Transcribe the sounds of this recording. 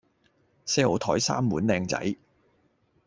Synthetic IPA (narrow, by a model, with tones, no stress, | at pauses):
sɛː˥o˨˩wt̪ʰɔː˨˥jsa̰ː˥mːuː˨˥nlɛː˧ŋt͡sɐ̰˨˥j